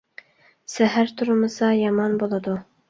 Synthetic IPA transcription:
sæɦæɾt̪ʰʊɾmɤsɑjɑmɑnbolˠɑd̪u

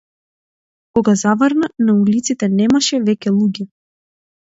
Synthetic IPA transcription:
kɔɡazavəɾnanaulit̪sit̪ɛnɛmaʃɛvɛcʲɛlˠuɟʲɛ

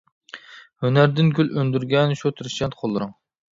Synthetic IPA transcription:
hønæɾd̪ɪnɡʲʰylʔønd̪yɾɡʲɛnʃut̪ʰɨɾɨʃʲɛt̪qʰolˠːɨɾʊŋ

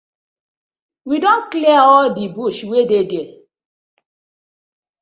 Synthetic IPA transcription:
widɔ̃nkliaɔldibuʃwedede

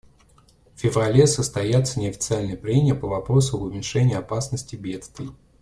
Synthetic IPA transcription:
fʲɪvrɐlʲesəst̪ɐjat̪sənʲɪɐfʲɪ̥t̪sɨalʲnəjəpɾʲemʲɪjəpəvɐpɾo̞sʊɐbʊmʲɪnʲʂɛnʲɪjəɐpasnəsʲtʲɪbʲe̞t̪st̪vʲɪ

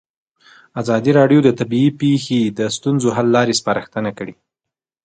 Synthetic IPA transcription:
azɑd̪iɾɑɖjod̪ət̪abiipexed̪əst̪unzoɦalːɑɾespaɾəxt̪ənakəɽi

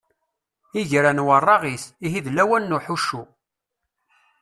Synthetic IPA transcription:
iʝɾænwərˤːɑʁisiɦiðlæwænːuħuʃːu

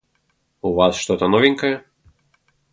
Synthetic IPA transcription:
uʋɑsʃt̪ɔt̪ɐnɔʋʲiŋkɐjɛ

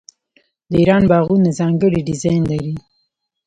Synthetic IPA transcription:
d̪əiɾɑnbɑɣunazɑŋɡəɽiɖɪzɑjnlaɾi

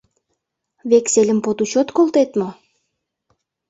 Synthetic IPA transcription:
βekselʲə̆mpot̪ut͡ɕot̪kolt̪et̪mo

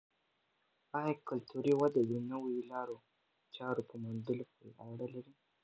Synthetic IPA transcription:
ajakalt̪ʰuɾiwad̪ad̪inəwojlɑɾo | t͡ʃɑɾopəmʊnd̪əlopoɾeʔawɽəlaɾi

